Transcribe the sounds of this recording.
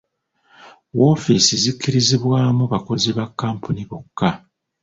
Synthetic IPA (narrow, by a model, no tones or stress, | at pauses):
wo̞ːfisizikːiɾiziβwaːmuβako̞ziβakːaːmpʰuniβokːa